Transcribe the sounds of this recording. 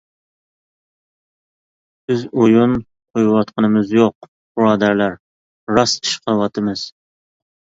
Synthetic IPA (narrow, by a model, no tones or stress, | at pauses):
b̥ɪzojun | qʰojwɑt̪̚qʰənɨmɪzjoq̚ | b̥ɾɑːd̪æɾlæɾ | ɾɑsi̥ʃqʰɑwɑt̪ʰɨmɪz̥